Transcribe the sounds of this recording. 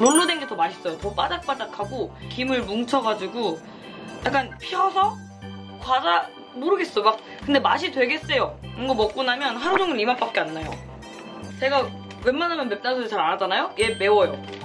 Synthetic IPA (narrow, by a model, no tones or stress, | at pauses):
nonːodwenɡetʌmaɕʰi̥s͈ʌjotʌp͈adak̚p͈adakʰaɡokimɯɭmuŋt͡ɕʰʌɡad͡ʑiɡo | jak͈anpʰiʌsʰʌ | kwad͡ʑa | moɾɯɡe̞s͈ʌbak̚ | kɯnde̞maɕ̬ʰidwe̞ɡe̞s͈ʌjoɯŋɡʌmʌk̚k͈unamjʌnɦaɾonoŋɡɯimap͈ap̚k͈eanːajo | t͡ɕe̞ɡa | we̞nmanamjʌnmpe̞p̚t͈ansʰdit͡ɕaɾanad͡ʑanajoje̞me̞wʌjo